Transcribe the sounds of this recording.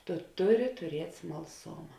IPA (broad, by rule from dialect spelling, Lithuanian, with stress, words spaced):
tʊ ˈtʊˌrʲɪ tʊˈrʲiɛtʲ smɐlˠˈsoːmɐ